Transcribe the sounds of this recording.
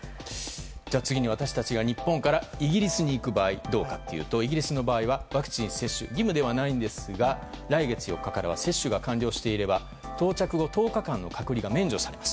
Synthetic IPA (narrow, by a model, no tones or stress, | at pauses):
d͡ʑaːt͡sɨɡʲiɲiβ̞at̪aɕi̥t̪at͡ɕiɡaɲ̟ipːõ̞ŋkaɾaiɡʲiɾʲisɨɲ̟iːkɯ̟baːid̪o̞ːkat̪ːe̞jɯ̰ːt̪o̞iɡʲiɾʲisɨno̞baːiβaβakɯ̟̥t͡ɕĩɰ̃se̞ɕːɨ̰ɡʲimɯ̟d̪e̞β̞anaĩnd̪e̞sɨɡa | ɾaiɡe̞t͡sɨjo̞̰kːakaɾaβa̰se̞ɕːɨɡakãɲɾʲo̞ːɕi̥t̪e̞iɾe̞ba | t̪o̞ːt͡ɕakɯ̟ɡo̞t̪o̞ːkakãnːo̞̰kʰakɯ̟ɾʲiɡamẽ̞ɲ̟d͡ʑo̞saɾe̞mḁsɨ̥